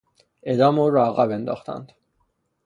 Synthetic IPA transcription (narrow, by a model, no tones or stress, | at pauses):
ʔed̪ɒːmuːɾɒæɣæbe̞nd̪ɒ̰ːxt̪ʰæ̰nd̪̥